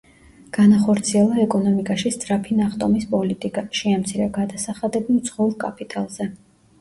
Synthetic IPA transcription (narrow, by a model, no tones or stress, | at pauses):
ɡ̥anaχɔɾt̪sʰiɛlˠaɛkʼɔnɔmikʼaʃist̪sʼɾapʰinaχt̪ʼɔmispʼɔlit̪ʼikʼaʃiamt̪sʰiɾɛɡad̪asaχad̪ɛbimt̪sʰχɔuɾkʼapʰʼit̪ʼalˠzɛ